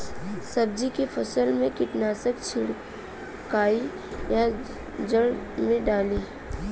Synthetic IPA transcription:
sɐb̚d͡ʒikefʰɐsəlmẽkɪʈnaːsəkt͡ʃʰɪɽ | kaːi | ja | d͡ʒəɽmẽɖaːliː

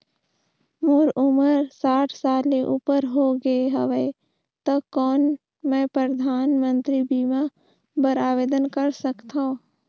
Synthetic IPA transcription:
mʊɾʊməɾsaːʈʰsaːleʔuːpəɾɦoɡəeɦəʋe | t̪okɔːn | mɛ̃ːpɾəd̪ʱaːnmə̃nt̪ɾibiːma | bəɾaːʋeːd̪ənkəɾsəkt̪aõ

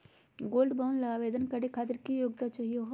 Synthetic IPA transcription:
ɡoːlɖbaʊnlaaːʋeːd̪ənkɐɽekʰaːt̪̬ɪɾkijoːɡt̪at͡ʃaɦijoɦ

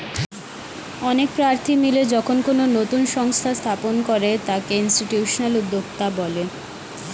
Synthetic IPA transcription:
ɔnek̚pɾaɾt̪ʰimiled͡ʑɔkʰonkononot̪unʃɔŋst̪ʰast̪ʰaponkoɾet̪akeinsʈiʈjuːʃonalud̪ːoɡt̪abɔle

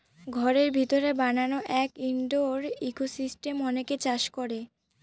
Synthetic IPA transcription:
ɡʱɔɾeɾbʱit̪oɾebananoʔɛkiɳɖoɾikosisʈemɔneket͡ɕaʃkoɾe

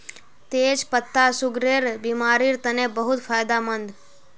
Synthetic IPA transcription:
t̪eːd͡ʒpət̪ːasʊɡɾeɾbimaɾiɾt̪ənebəɦʊt̪fʰajd̪amənd̪

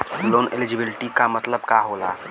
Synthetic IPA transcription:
loːnḛlɪd͡ʒɪbɪlɪʈikamət̪ləb̚kaɦoːla̰ː

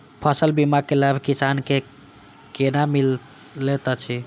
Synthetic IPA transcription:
pʰəsəlbimakelabʱkisanke | kenamil | let̪ət͡ʃʰi

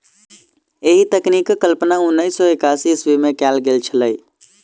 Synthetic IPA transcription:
eɦit̪əknikkːəlpənaunːəjsːɔekasiswemekɛlɡelt͡ʃʰələj

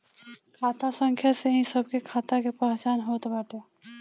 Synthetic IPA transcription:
kʰaːt̪asə̃ŋkʰjaseɦĩsəb̚kekʰaːt̪akepɛɦt͡ʃaːnɦoːt̪bəːʈe

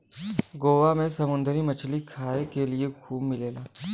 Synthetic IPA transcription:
ɡoːʋamẽsɐmʊ̃nd̪əɾimɐt͡ʃʰlikʰaːekeliexʰuːbmɪleːlaː

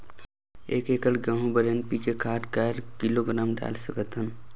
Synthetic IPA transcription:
ḛːkekəlɡə̃ɦũbəɾənpikekʰaʈkaɾkiloɡɾamɖa̰lsəkət̪ɦən

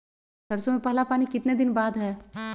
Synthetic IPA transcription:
ɐɾsõmẽpɛɦlapaːnikɪt̪ned̪ɪnbaːd̪ɦɛː

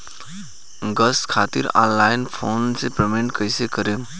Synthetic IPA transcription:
ɡəskʰat̪ḭɾã̰ːnlaɪnpʰoːnsepɾemeɳʈkəjsekəɾe

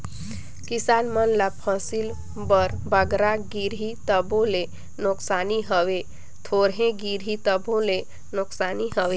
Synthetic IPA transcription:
kɪsaːnmənlapʰəsil | bəɾbəɡɾaɡiɾɦit̪əbõle | nʊksaːniɦəʋe | t̪ʰoːɾɦẽɡiɾɦit̪əbõle | nʊksaːniɦəʋe

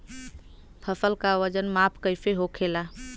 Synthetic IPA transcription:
pʰəsəlkaʋəd͡ʒənmaːpʰkəɪfeɦokʰeːla

